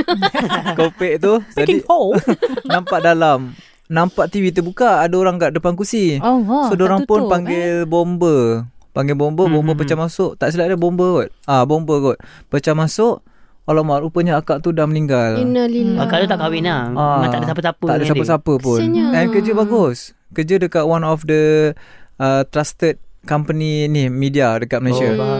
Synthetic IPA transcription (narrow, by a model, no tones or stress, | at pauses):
kopɛʔt̪ud͡ʒadionampaʔdalam | nampaʔt̪iwit̪̬ubukaːdaoɾaŋkaʔ̚dəpank̬usisodoɾaŋpʊnpaŋɡɪlbombəpaŋɡɪlbombəbombəp̬ət͡ʃamasʊʔt̪aʔsiladabombəɡɔt̪̚abombəɡɔt̪̚pət͡ʃamasʊʔ | walamaʔɾupəɲaakaʔt̪udahməniŋɡalniakalut̪aʔkawinaaaadəsapəsapəadəsapəsapəpʊɛnkəd͡ʒəbaɡʊs | kəd͡ʒədəkaʔ̚wanɔfdə | ət̪ɾast̪ət̪̚kampəninɪhmidiadəkat̪̚məlasa